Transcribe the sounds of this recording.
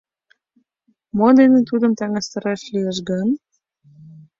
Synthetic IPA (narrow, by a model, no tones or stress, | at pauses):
mod̪enet̪ud̪ə̆mt̪æŋæst̪ɤ̆ɾɑʃlijəʃɡɤn